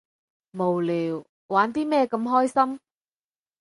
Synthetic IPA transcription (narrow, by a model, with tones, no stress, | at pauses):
mo˨˩wliː˨˩w | waː˨˥nt̪iː˥mɛː˥˧kɐ˧mɦɔː˥jsɐ˥m